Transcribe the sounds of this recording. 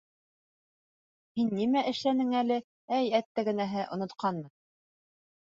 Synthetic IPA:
hinːimæʔɘ̆ʃlænɘŋælɘ | æjæt̪ːæɡɘ̆næɦɘʔŏnŏt̪qʰɑnmɤn

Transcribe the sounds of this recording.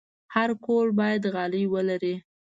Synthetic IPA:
haɾkolbɑjad̪ɣɑlijwəlaɾi

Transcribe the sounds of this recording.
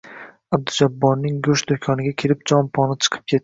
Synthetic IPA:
ab̚d̪ʊd͡ʒabːɒɾnɪŋɡʊʃd̪ʊkʲʰɒnɪɡʲakʲʰelɪp̚d͡ʒɒnpʰɒnɪt͡ʃʰɨ̥qʰɨ̥p̚kʲʰet̪̚ː

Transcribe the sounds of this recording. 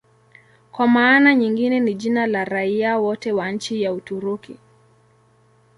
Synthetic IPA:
kwamaːnaɲiŋɡinɛniʄinalaɾaiawɔtɛwaɲ̩t͡ʃijautuɾuki

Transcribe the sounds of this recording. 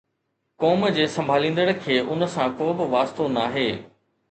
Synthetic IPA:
kɔːmd͡ʑeːsɐ̃mbʱaːlĩːnd̪əɽkʰeːʔʊnsãkoːbɪʋaːst̪onaːɦeː

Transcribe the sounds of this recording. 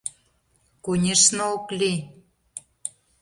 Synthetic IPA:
kunʲeʃnooklʲi

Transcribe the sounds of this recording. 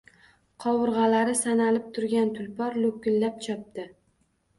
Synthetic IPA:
qʰɒwʊɾʁɑlaɾɪsanalɪp̚t̪ʰʊɾɡʲant̪ʰʊlpʰɒɾlokʲːɪllːap̚t͡ʃʰɒp̚t̪ɪ

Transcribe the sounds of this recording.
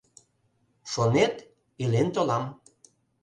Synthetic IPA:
ʃonet̪ | ilent̪olɑm

